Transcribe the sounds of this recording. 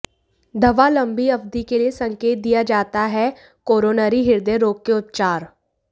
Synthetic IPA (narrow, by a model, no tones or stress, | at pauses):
d̪ʱəʋalə̃mbiɐbd̪ikeliesə̃ŋkeːt̪̚d̪ijad͡ʒaːt̪aɦɛ | koːɾoːnaɾiɦɪɾd̪eɾoːkːeʊt̪̚t͡ʃaːɾ